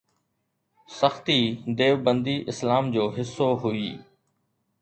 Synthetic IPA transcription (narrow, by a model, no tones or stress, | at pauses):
səxt̪iːd̪eːʋbənd̪iːʔɪslaːmd͡ʑoːɦɪsːoːɦʊiː